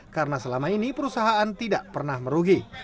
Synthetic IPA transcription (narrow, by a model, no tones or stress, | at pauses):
kaɾənasəlamainipəɾusaɦaant̪idaʔpərnahməɾuɡi